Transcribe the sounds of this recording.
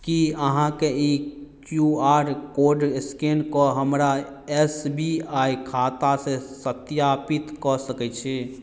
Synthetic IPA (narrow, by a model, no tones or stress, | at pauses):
kiəɦãkeikjuaɾkoɾɖɪskenkɔɦəmɾa | esbiaikʰat̪asesət̪japit̪kɔsəkɛt͡ʃʰɛ